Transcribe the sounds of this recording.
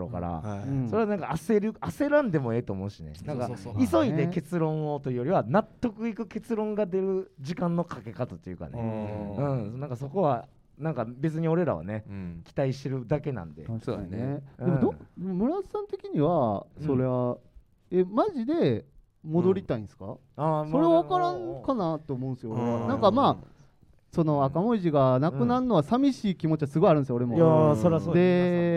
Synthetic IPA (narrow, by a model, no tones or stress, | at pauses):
ɾo̰ka̰ɾa̰so̞ɾe̞anãŋkaːseɾɯ̟ase̞ɾãnd̪e̞mo̞e̞ːt̪o̞ːmo̞ɯ̟ɕine̞̰nãŋkaiso̞id̪e̞ke̞t͡sɨɾõ̞ɰ̃ot̪o̞iɯjoɾiβanat̪ːo̞kɯ̟ikɯ̟ke̞t͡sɨɾõ̞ŋɡad̪e̞ɾɯ̟ʑikãnːo̞kʰake̞kat̪ot̪ːejɯ̟ka̰nɯ̟̃nãŋkaso̞ko̞βa | nãŋkabe̞t͡sɨɲ̟io̞ɾe̞ɾa̰βa̰ne̞kʲi̥t̪aiɕt̪eɾɯ̟d̪ake̞nã̰nd̪esond̪e̞mod̪od̪emomɯ̟ɾasãnt̪e̞kʲiɲ̟iβasso̞ɾe̞βa | e̞maʑid̪e̞ | mo̞d̪o̞ɾʲit̪aĩnsɨ̥ka̰ | aso̞ɾe̞βaβakaɾãŋkanat̪ːeoːmoɯ̃sɨjooɾeβanãŋkamaː | so̞no̞akamo̞iʑiɡanakɯ̟naɯno̞βasamʲiɕiːkʲimo̞t͡ɕiβasɨɡo̞iaɾɯ̟̃nsjoːɾe̞moasosod̪e̞